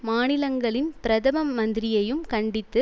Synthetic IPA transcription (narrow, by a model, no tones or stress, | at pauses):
maːnɪlɐŋɡɐɭɪnpɪɾɐðɐmɐmːɐnd̪ɪɾɪjɐjɯmkɐɳɖɪt̪ːɯ